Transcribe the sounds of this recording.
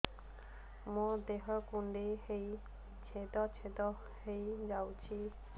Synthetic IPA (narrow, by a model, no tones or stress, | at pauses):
mɔd̪eɦɔkuɳɖeɦej | t͡ʃʰet̪ɔt͡sʰet̪ɔ | hejd͡zawt͡ʃʰi